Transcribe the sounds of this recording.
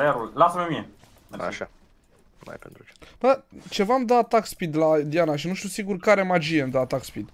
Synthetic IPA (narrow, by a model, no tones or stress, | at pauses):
jaɾullasəmemie | a̰ʃa | ma̰jpent̪ɾut͡ʃebət͡ʃe̞vamd̪at̪akspid̪lad̪ianaʃ̬inuʃt̪usiɡurkaɾe̞mad͡ʒijemd̪at̪akspid̪